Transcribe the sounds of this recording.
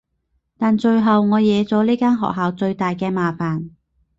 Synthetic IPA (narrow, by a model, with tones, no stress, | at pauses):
t̪aː˨nt͡ʃɵ˧ɥɦɐ˨wŋɔː˨˧jɛː˨˧t͡sɔː˨˥liː˥kaː˥nɦɔ̰ː˨k̚ɦaː˨wt͡ʃɵ˧ɥt̪aː˨jkɛː˧maː˨faː˨˩n